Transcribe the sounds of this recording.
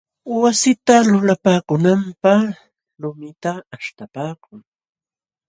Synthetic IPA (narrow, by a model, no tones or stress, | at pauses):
wasɪt̪alʊlapaːkʊnampaχ | ɾʊmɪt̪aːʃt̪apaːkʊŋ